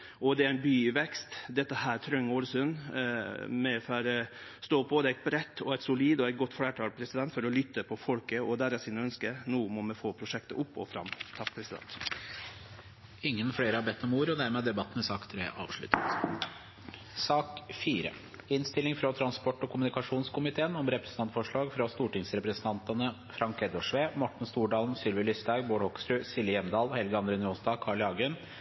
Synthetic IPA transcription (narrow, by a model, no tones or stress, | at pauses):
ɔd̪ɛæɾæɪnbyːʋɛkst̪d̪ɛt̪ːəhæːɾt̪ʰɾœŋːoːlsʉn | mɛfɑɾst̪oːboːd̪əɛɪt̪̚bɾɛt̪ːɔæɪt̪sʊliːd̪ɔɛɪɡɔt̪ːfɽæːʈʰɑːlpʰɾɛsɪd̪ɛnt̪fɔɾɔlʏt̪ːəpʰɔfɔlkəɔd̪æɾæsɪnəœnskənuːmɔmɛfoːpʰɾʊʂɛkt̪ə̰ʔʊpːɔ̰fɾɑ̰mt̪ʰɑkːpʰɾɛsɪd̪ɛ̰nt̪ | ɪŋːənfɽeːɾəhɑbɛt̪ʰːɔmuːɾɔd̪æɾmeːd̪ɛbɑt̪ːnəsɑːkt̪ʰɾeːʔɑ̰ːʋʂɭʉ̰t̪ːət̪ | sɑːkfiːɾə̰ | ɪnst̪ɪlɪŋfɾɑt̪ʰɾɑnspɔʈːɔkʰʊmʉnɪkɑʂuːnskʊmɪt̪ʰeːənɔmɾɛpɾə̥snʰɑnt̪fɔʂɭɑːɡfɾɑst̪uːʈɪŋsɾɛpɾəsənt̪ʰɑnt̪ənə | fɾɑŋkɛd̪ɔʂʋeːmɔʈːɳ̩st̪uːɖɑːln̩sʏlʋɪlʏst̪æɪboːɖhɔksɾʉːsɪlːɪjɛmd̪ɑːlhɛlɡəɑnd̪ɾɛːnɪuːnsd̪ɑːkʰɑːɭɑːɡən